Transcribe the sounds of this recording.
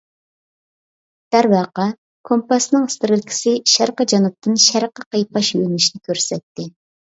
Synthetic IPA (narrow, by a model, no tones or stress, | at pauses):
d̪̥æɾbɑːqɑ | kʰompɑsnɨŋɪst̪ɪɾɪlkʲʰi̥sɪʃæɾqəd͡ʒɑnɨp̚t̪ʰːɨnʃæɾqəqɑjpɑʃjønɪʃnɪkʲøɾsɛt̪ːɪ